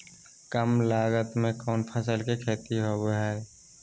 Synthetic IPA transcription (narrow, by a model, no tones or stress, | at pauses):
kəmlaːɡət̪mẽkɔːnpʰəsəlkekʰeːt̪iɦobɦɛː